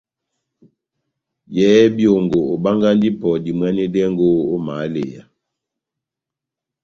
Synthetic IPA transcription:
jɛː˨˦bjo˨ŋɡo˨o˨ba˦ŋɡa˦n˦di˦pɔ˨di˨mwɛ˦nɛ˦dɛ˦ŋɡo˦o˦ma˨˦lḛ˨ja̰˨

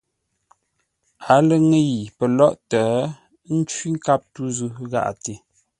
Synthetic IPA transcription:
a˨˦lə˨ŋə˦ji˨pə˨lɔ˦ʔtəː˨˦ | n̩˦t͡ʃwi˦ŋ̩˦ka˦p̚tu˦zu˦ɣa̰˦˨ʔa̰˨te˨

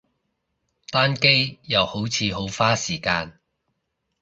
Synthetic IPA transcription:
t̪aː˥nke˥jjɐ˨who˨˥wt͡sʰiː˨˧ɦo˨˥wfaː˥siː˨˩kaː˧n

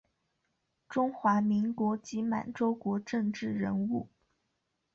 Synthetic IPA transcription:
ʈ͡ʂʊ˥ŋxwa˧˥mi˧˥ŋkwɔ˧˥t͡ɕi˧˥ma̰˨˩nʈ͡ʂo˥ʊkwɔ˧˥ʈ͡ʂɤ˥˧ŋʈ͡ʂɻ̩˥˩ɻə˧˥nu˥˩

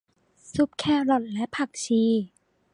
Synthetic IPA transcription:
su˦˩p̚kʰɛː˥˩lɔ˨˩t̪̚lɛ˦˥ʔpʰa˧˨˩k̚t͡ɕʰiː˧

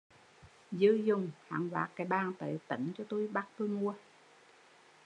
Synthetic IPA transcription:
zɨ˨˦zʊ˨˩ŋ͡mha̰ː˧˨˩ŋva̰ː˨˦˥kːaː˨˩jɓaː˧˩ŋnt̪ə̰˧˨˩t̪ə̰˧˨˦ŋt͡ɕɔ˧t̪u˧jɓa˦˥t̚t̪o˧jmu˧ə

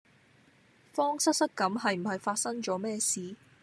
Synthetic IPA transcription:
fɔː˥ŋsɐ˥t̚sɐ˥t̚kɐ˨˥mɦɐ˨jm̩˨˩hɐ˨jfaː˧t̚sɐ˥ŋt͡ʃɔː˨˥mɛː˥˧siː˨

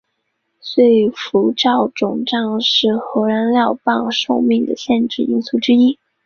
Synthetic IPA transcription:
swe˥˩ɪfu˧˥ʈ͡ʂɑ˥˩ʊʈ͡ʂʊ˨˩ŋʈ͡ʂɑ˥˧ŋʂɻ̩˥˩xɤ˧˥ɻa˧˥nljɑ˥˧ʊpɑ˥˧ŋʂo˥˧ʊmi˥˩ŋd̪ə̰˩ɕjɛ˥˧nʈ͡ʂɻ̩˥˩i˥ŋsu˥˩ʈ͡ʂɻ̩˥i˥

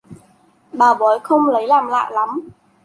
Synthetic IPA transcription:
ɓaː˨˩ɓɔ˨˦jxə˧wŋ͡mlə˨˦jlaː˨˩mla̰ː˧˨jla˨˦m

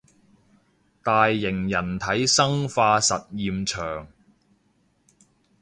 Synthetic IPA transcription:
t̪aː˨jːɪ˨˩ŋjɐ˨˩nt̪ʰɐ˨˥jsɐ˥ŋfaː˧sɐ˨t̚jiː˨˧mt͡ʃʰœː˨˩ŋ

